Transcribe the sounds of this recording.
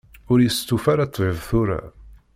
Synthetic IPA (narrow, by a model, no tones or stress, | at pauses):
ʊɾjəst̪ufaɾat̪ˤːvɪvθʊɾa̰